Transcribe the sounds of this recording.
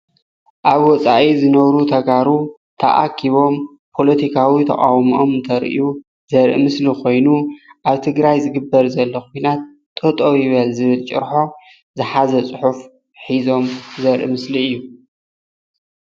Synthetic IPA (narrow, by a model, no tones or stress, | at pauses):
ʔaβwɔt͡sʼaʔizɨnɐβɾut̪ʰɐɡaɾu | t̪ʰɐ̰ʔa̰kʰiβo̞m | pʰo̞lɐt̪ʰikʰawit̪ʰɐ̰χʼa̰wmio̞mnt̪ʰɐɾʔiu | zɐɾʔɨmɨslikʰo̞jnuʔaβt̪ʰɨɡɾajzɨɡɨbːɐɾzɐlːɐkʰujnat̪̚ʼː | ɐt̪ʼowjɪβɐlzɨβɨlt͡ʃʼɨ̰ɾħo̞ | zɨħazɐt͡sʼɨħuf | ħizo̞mzɐɾʔɨ̰mɨsliɨjːu